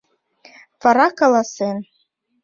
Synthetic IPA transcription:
vɑɾɑkɑlˠɑsen

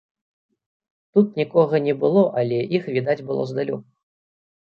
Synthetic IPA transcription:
t̪ut̪̚nʲikɔɣɐnʲɛbɨlˠɔʔalʲɛʔixvʲid̪ad͡zʲbɨlˠɔ̰zd̪alʲṵ

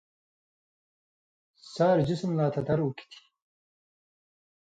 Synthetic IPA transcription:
saːɾd͡ʒismlaːt̪ʰɐd̪ɐɾuki̥t̪ʰi̥

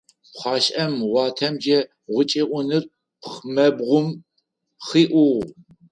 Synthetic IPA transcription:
χʷɑːɕʼʔɐmwʷɑːtʰɐmd͡ʒɐ | ʁʷʊt͡ʃʼeːʔʷʊnɨr | pʰχmɐbʁʷʊm | χiːʔʷʊʁ

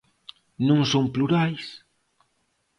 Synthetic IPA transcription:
nũŋsoŋpluɾajs

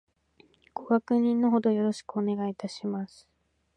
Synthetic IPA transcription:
ɡ̥o̞ɡakɯ̟ɲ̟ĩnːo̞ɦo̞d̪o̞jo̞ɾo̞ɕi̥kɯone̞ɡait̪aɕimasɨ̥

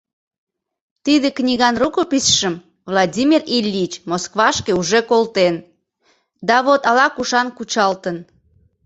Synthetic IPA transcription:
t̪id̪eknʲiɣɑnrukopisʃəm | vlˠɑdʲimʲirilʲːit͡ɕmoskβɑʃkeuʒekolt̪en | d̪ɑβot̪ɑlɑkuʃɑnkut͡ɕɑlt̪ən

